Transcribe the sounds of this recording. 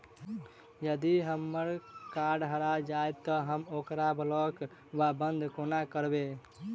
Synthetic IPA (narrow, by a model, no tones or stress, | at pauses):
jəd̪iɦəmːəɾkaɾɖɦəɾad͡ʒajt̪ːɔɦəmokɾablɔk | ʋabənd̪ʱkonakəɾbe